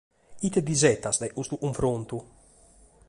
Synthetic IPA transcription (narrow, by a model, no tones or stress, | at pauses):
it̪ɛd̪izɛt̪asd̪ajʔust̪uʔuɱfɾont̪u